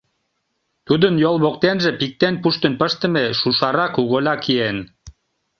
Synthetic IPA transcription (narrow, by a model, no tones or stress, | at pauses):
t̪ud̪ənjolˠβokt̪enʒĕpik̚t̪enpuʃt̪ə̆npəʃt̪ə̆meʃuʃɑɾɑkuɣolʲɑkien